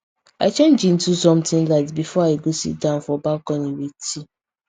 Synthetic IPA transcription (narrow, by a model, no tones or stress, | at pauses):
at͡ʃẽnd͡ʒĩn̩tusɔ̃mtɪ̃ŋlatbifɔaiɡosḭdãʊ̃n̩fɔbakɔ̃niweti